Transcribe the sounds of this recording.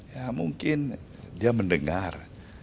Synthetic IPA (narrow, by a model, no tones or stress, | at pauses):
jamuŋkɪn | diaməndəŋar